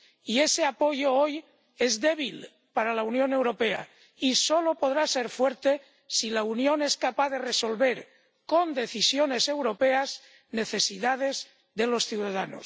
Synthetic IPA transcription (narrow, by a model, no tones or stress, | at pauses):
ie̞seapo̞joo̞j | e̞zðe̞β̞il | paɾalaunjo̞ne̞wɾo̞pe̞a̰ | iso̞lo̞po̞ð̞ɾase̞ɾfwe̞ɾt̪e̞ | silaunjo̞ne̞skapaððe̞reso̞lβe̞ɾ | ko̞nd̪e̞θisjone̞se̞wɾo̞pe̞az | ne̞θe̞siðaðe̞z | ðe̞lo̞sθjuðaðano̰s